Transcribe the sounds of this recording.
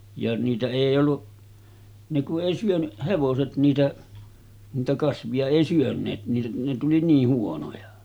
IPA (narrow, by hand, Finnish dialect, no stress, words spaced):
jɑ niːtæ eˑij olːuʔ ne kuʔ ʔeˑi syøny heʋoset niːtæ niːtæ kɑsʋiɑ eˑi syønˑeːt ne ne tuli niːh huonojɑ